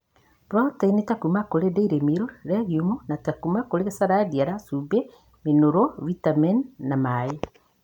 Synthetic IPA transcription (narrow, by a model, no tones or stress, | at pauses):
ɾatainetakumakoɾedeiɾemiɾoɾɛɣiumonatakumakoɾeesaɾadiaɾasube | menoɾoβitamɛnːamae